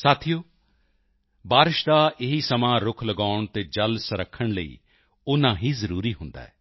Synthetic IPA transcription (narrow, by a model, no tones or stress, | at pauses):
saːt̪ʰijoː | baːɾɪʃd̪aʔɪɦisɐmãɾʊkʰləɡaːʊɳ̃t̪ed͡ʒɐlsəɾəkʰːəɽ̃ləḭː | ʊnãɦĩːzɐɾuːɾiɦʊ̃nd̪a̰ːɦɛː